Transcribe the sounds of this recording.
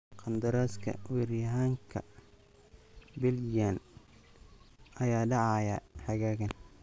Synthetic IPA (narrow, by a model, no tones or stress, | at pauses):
qɑnd̪ɐɾaːskʰɐ̰wɛrjɐɦaːŋkʰɐ̰ | bɪljan | ɐjaːɖɑʕɑjɐħɑɣaːɣɐn